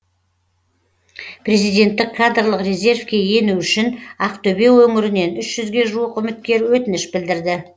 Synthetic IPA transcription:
pʰre̞zijd̪e̞nt̪ːɪkʰːad̪rlˠəqrʲe̞zʲe̞rfkʲe̞je̞nuʏʃɪnɑqt̪ɵbe̞wɵŋɪɾɪne̞nʏʃʒ̥ʏzɡʲe̞ʒuwəqʏmɪt̪̚kʲe̞ɾwɵt̪ɪnɪʃbɪld̪ɪɾd̪ɪ

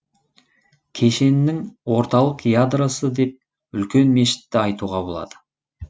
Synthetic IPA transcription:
kʲʰe̞ʃe̞nɪnːɪŋwo̞ɾt̪ɑlˠəqjad̪rosəd̪e̞p̚ | ʏlkʲe̞nme̞ʃɪ̥t̪ːɪɑjt̪uʁɑbo̞lˠɑ̰d̪ə̥

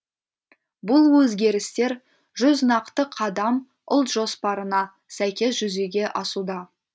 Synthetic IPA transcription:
bʊlˠwɵzɡʲe̞ɾɪst̪e̞ɾ | ʒʏznɑqt̪əqʰɑd̪ɑm | ʊlˠt̪ʒ̥o̞spɑɾənɑ | sæjkʲe̞s̬ʒ̥ʏze̞ɡʲe̞ʔɑsud̪ɑ

